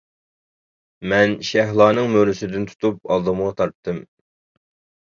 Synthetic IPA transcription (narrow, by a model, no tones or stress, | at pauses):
mɛnʃɛɦlˠɑːnɨŋmøɾlɪsɪd̪ɪnt̪ʰu̥t̪ʰup̚ɑlˠd̪ɨməʁɑt̪ʰɑɾp̚t̪ʰːɨm